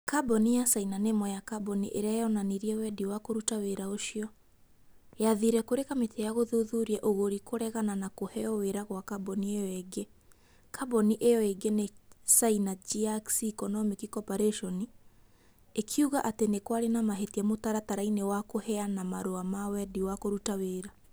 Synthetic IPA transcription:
kabɔnijasainanemɔjakabɔnḭʔeɾeaejɔnaniɾiɛwɛdiwakoɾutaweɾaoʃiɔ | jaðiɾɛkoɾekametejaɣoðuðuɾiɛʔoɣoɾikoɾɛɣananakohɛɔweɾaɣwakabɔniejɔeɡe | kabɔniʔejɔeɡenesainad͡ʒiaksikɔnɔmikikɔpaɾeʃɔni | ekʰiuɣaʔatenekwaɾenamaɦetiɛmotaɾataɾainewakohɛanamaɾoamawɛdiwakoɾutaweːɾa

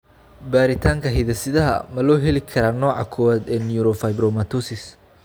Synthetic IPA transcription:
baːɾɪt̪ʰaːŋkʰɐɦɪðɐsɪðɐɦɐ̰mɐlɔːɦɛlɪkʰɐɾaːnɔːʕɑ̰kʰɔːwaːd̪ɛːnjuɾɔfɐjbɾɔmɐt̪ʰɔsɪs

